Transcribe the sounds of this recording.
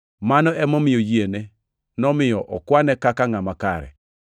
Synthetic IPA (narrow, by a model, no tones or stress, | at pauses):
manɔɛmɔmɪjojiene | nɔmɪjɔʔɔkwanɛkakaŋamakaɾɛ̰